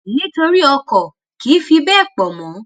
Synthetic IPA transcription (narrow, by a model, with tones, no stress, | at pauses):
ni˦to˧ɾi˦ɔ˧kɔ˨ | ki˨˦fi˧bɛ˦˨k͡pɔ˨mɔ̃˨˦